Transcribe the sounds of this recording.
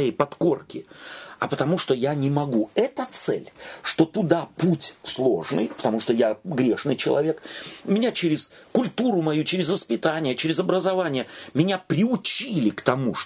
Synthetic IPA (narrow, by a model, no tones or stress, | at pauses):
jejpɐt̪ko̞rkʲɪɐ̰pət̪ɐmuʂt̪o̞janʲɪmɐɡuɛt̪ət̪sɛ̰lʲʂt̪o̞t̪ʊd̪aputʲslˠo̞̰ʐnɨ̰jpə̥t̪ɐmuʂt̪o̞jaɡɾʲeʂnɨjt͡ɕɪ̰lˠɐ̰vʲe̞kmʲɪnʲat͡ɕeɾʲɪs | kʊlʲt̪uɾʊmɐjut͡ɕeɾʲɪzvəspʲɪt̪anʲɪjət͡ɕeɾʲɪzɐbɾəzɐvanʲɪjəmʲɪnʲapɾʲɪʊt͡ɕilʲɪkt̪ɐmuʂ